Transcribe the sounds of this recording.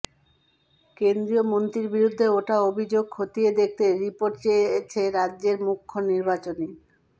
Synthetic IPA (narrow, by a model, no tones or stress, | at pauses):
kend̪ɾiomont̪ɾiɾbiɾud̪ʱːeoʈaobʱid͡ʑoɡ̚kʰot̪ied̪ek̚ʰt̪eɾipoɾʈt͡ɕet͡ɕʰeɾadːʑeɾmukʰːoniɾbat͡ɕoni